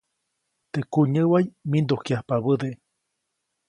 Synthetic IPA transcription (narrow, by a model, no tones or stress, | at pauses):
t̪ekuɲəwajmind̪okjahpaβəd̪e